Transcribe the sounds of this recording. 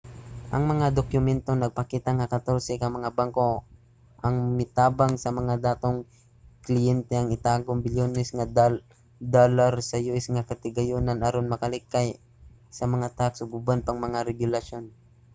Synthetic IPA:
ʔɐŋmɐŋad̪okjʊmɛnt̪o̞nɐɡ̚pɐkiːt̪aŋɐkɐt̪oɾsɛkɐmɐŋabaŋko̞ | ʔɐŋmɪt̪aːbaŋsɐmɐŋad̪aːt̪o̞ŋ | klɪjɛnt̪ɛɐŋɪt̪aːɡoŋbɪljonɛsŋa | d̪olaɾsɐjuʔɛsŋakɐt̪ɪɡɐjonanɐɾonmɐkɐlɪkːaj | sɐmɐŋat̪aksʊbʊbanpɐŋmɐŋaɾɛɡʊlɐʃo̞n

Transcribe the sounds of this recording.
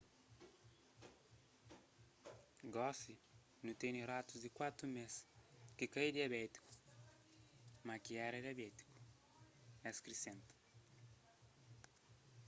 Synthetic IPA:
ɡɔsi | nũt̪eniɾat̪uzd̪ɪkwat̪ɾumeskɪkajd̪iabɛt̪i̥ku̥ | makiɛɾɐd̪iabɛt̪i̥ku̥ | ɛskɾisẽnt̪u̥

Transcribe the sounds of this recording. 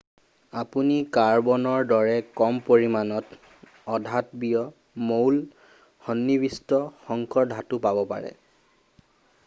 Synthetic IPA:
apunikaɹbɔnɔɹdɔɹɛkɔmpoɹimanɔt | ɔdʱatbijɔ | mowl | hɔnːibistɔxɔŋkʰɔɹdʱatupabɔpa̰ɹɛ̰

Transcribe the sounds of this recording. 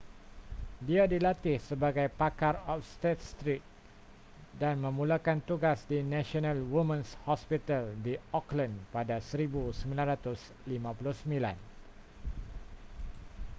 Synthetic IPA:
diadilat̪ɪhsəbaɡajpakarɔfst̪et̪̚st̪ɾit̪̚ | danmə̃mũlakant̪uɡasdinãʃonãlwumə̃nshɔspit̪aldiɔklə̃npadasəɾibusəmbilãnɾat̪ʊs | limãpulʊhsəmĩla̰n

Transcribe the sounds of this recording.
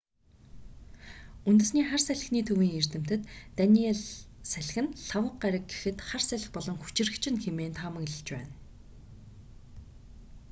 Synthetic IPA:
unt̪ɵ̆sniːχarsæɮ̆xniːt̪ʰɵwiːŋer̥t̪ɘ̆m̥t̪ɘ̆t̪ːænʲiːeɮsæɮ̆ʲxɘ̆nɬawə̆qɢaɾʲə̆k̚ɡexɘ̆t̪χarsæɮʲɪ̆xpɔɮɞ̆ŋxu̥t͡ɕɪ̆rɘ̆kt͡ɕʰɪ̆nxemeːnt̪ʰamə̆kɮə̆t͡ɕpæ̰ːn

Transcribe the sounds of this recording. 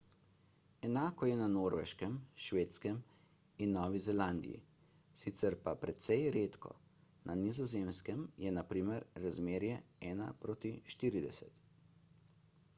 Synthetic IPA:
ɛnaːkɔjɛnanoːɾʋɛ̰ʃkɛmʃʋeːt̪skɛm | inːɔːʋizɛland̪ḭḭ | sit̪sɛɾpapɾɛt̪sɛjɾeːt̪kɔ̰ | nanizɔzeːmskɛmjɛnapɾiːmɛɾɾazmeːɾjɛɛːna̰pɾoːt̪iʃt̪iːɾid̪ɛsɛt̪

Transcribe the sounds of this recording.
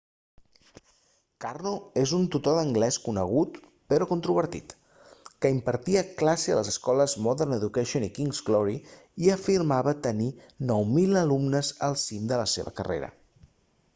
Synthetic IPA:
karnoezunt̪ut̪oðəŋɡlɛskunəɣ̞ut̪ | pəɾɔkunt̪ɾuβəɾt̪ḭt̪ | kəimpəɾt̪iəklaseə̰ləzəskɔləzmɔðərnəðukɛʃionikiŋzɡlɔɾi | iəfiɾmaβət̪əni | nɔwmiləlumnəzəlˠsimd̪ələseβə̰kərḛɾə̰

